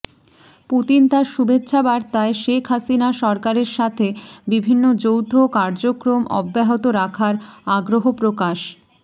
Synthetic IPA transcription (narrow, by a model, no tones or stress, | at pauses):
put̪int̪aɾʃubetːɕʰabaɾt̪aeʃekʰɦasinaʃɔɾkaɾeɾʃat̪ʰebibʱinːod͡ʑowt̪ʰokaɾd͡ʑokɾomɔ̰bːaɦot̪oɾakʰaɾaɡɾoɦopɾokaʃ